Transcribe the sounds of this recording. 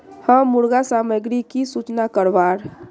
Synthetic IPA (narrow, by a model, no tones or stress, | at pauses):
hə̃muɾɡasaːməɡɾikisut͡ʃnakəɾʋaːɾ